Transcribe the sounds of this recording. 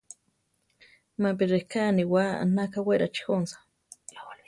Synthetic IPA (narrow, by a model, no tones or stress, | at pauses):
map̬iɾehkaːniwaa̰nakaweɾat͡ʃi̥xonsḁ